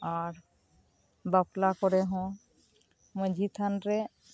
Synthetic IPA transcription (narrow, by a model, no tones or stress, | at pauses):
aɾ | baplakɔɾeɦɔ̃ | mə̃d͡ʒʱit̪ʰanɾe